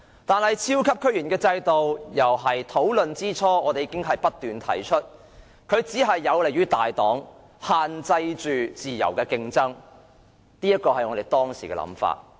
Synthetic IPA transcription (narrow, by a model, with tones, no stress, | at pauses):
t̪aː˨˩nɦɐ˨jt͡sʰiː˥wkʰɐ˥p̚kʰɵ˥jyː˨˩nkɛː˧t͡sɐ˧jt̪o˨wjɐ˨˩wɦɐ˨jt̪ʰo˨˥wlɵ˨nt͡siː˥t͡sʰɔː˥ɔː˨˧t̪e˨jiː˧kɪ˥ŋɦɐ˨jpɐ˥t̚t̪yː˨nt̪ʰɐ̰˨˩jt͡ʃʰɵ˥t̚ | kʰɵ˨˧ɥt͡siː˨˥ɦɐ˨jːɐ˨˧wle˨˩jɥyː˨˥t̪aː˨jt̪ɔː˨˥ŋ | haː˨nt͡sɐ˧jt͡ʃyː˨t͡siː˨jɐ̰˨˩wkɛː˧kɪ˧ŋt͡sɐ˥ŋ | niː˥jɐ˥t̚kːɔː˧hɐ˨jŋɔ˨˧ɾe˨˩jt̪ɔː˥ŋsiː˨˩kɛ̰˧lɐ̰˧˥mfa̰ː˧t̚